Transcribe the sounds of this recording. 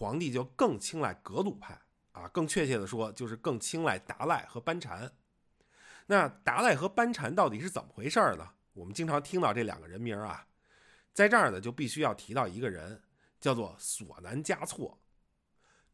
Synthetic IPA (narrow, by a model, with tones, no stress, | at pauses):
xwɑ˧˥ŋt̪i˥˧t͡ɕjo˥˧ʊkɤ˥˩ŋt͡ɕʰi˥ŋla˥˩ɪkɤ˧˥lu˨˩pʰa˥˩ɪ | a̰˨˩kɤ˥˧ŋt͡ɕʰɥɛ˥˧t͡ɕʰjɛ˥˩d̪ə˩ʂwɔ˥t͡ɕjo˥˧ʊʂɻ̩˥˧kɤ˥˩ŋt͡ɕʰi˥ŋla˥˩ɪt̪a̰˧˥la˥˩ɪxɤ˧˥pa˥nʈ͡ʂʰa̰˧˥n | na˥˩t̪a˧˥la˥˩ɪxɤ˧˥pa˥nʈ͡ʂʰa˧˥nt̪ɑ˥˩ʊt̪i˨˩ʂɻ̩˥˩t͡sə̰˨˩mə˨˩xwe˧˥ɪʂə˞˥˩nə̰˩ | wɔ˨˩mə˦nt͡ɕi˥ŋʈ͡ʂʰɑ˧˥ŋt̪ʰi˥ŋt̪ɑ˥˧ʊʈ͡ʂɤ˥˩ljɑ̰˨˩ŋɡə̰˦ɻə˧˥nmi˧˥ɐ̰˩ | t͡sa˥˧ɪʈ͡ʂə˞˥˩nə˩t͡ɕjo˥˧ʊpi˥˩ɕy˥jɑ˥˩ʊt̪ʰi˧˥t̪ɑ˥˩ʊi˧˥ɡə˧ɻə̰˧˥n | t͡ɕjʊt͡swɔ˥˩swɔ̰˨˩na˧˥nt͡ɕja˥t͡sʰwɔ̰˥˩